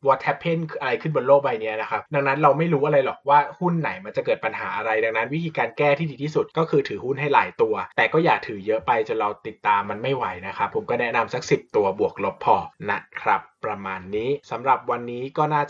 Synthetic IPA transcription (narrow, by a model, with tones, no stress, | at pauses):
wɔː˧˥t̪ʰːɛ˦˥pʰːe˥˩nʰʔa˧ɾa˧jkʰɯ˥˩nbo˧nloː˥˩k̚ba˧jni˦˥ɐna˦˥kʰa˦˥p̚da˧ŋna˦˥nɾa˧wma˥˩jɾuː˦˥ʔa˧ɾa˧jlɔ˨˩k̚waː˥˩hu˥˩nːa˨˩˦jma˧nt͡ɕa˨˩kɤː˨˩t̪̚pa˧nɦaː˩˦ʔa˧ɾa˧jda˨˧ŋna˦˥nwi˦˥t̪ʰiː˧kaː˧nkɛː˥˩t̪ʰiː˥˩diː˧t̪ʰiː˥˩su˨˩t̪̚kɔː˥˩kʰɯː˧t̪ʰɯː˩˦hu˥˩nɦa˥˩jla̰ː˩˦jt̪u˧ɐt̪ɛː˨˩kɔː˥˩jaː˨˩k̚t̪ʰɯː˩˦jɤ˦˥ʔpa˧jt͡ɕo˧˦ɾa˧wt̪i˨˩t̪ːaː˧mːa˧nma˥˩jwa˨˦jna˦˥kʰa˦˥pʰːo˩˦mkɔː˥˩nɛ˦˥ʔna˧msa˧˥k̚si˨˩p̚t̪u˧ɐbu˨˩ək̚lo˦˥pʰːɔː˧˩na˦˥ʔkʰɾa˦˥pːɾa˧maː˧nːiː˦˥sa˩˦mɾa˨˩p̚wa˧nːiː˦˥kɔː˥˩naː˥˩t͡ɕ